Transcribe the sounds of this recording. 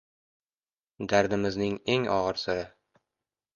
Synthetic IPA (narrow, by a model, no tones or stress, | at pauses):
d̪æɾd̪ɘ̆mɘ̆znɘŋeŋɒ̰ʁɤɾsɘ̆ɾɘ